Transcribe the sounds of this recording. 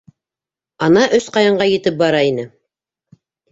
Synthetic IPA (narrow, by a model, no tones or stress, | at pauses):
ɑnɑʔɵsqɑjɑɴɢɑjɘ̆t̪ɘp̚bɑɾɑinɘ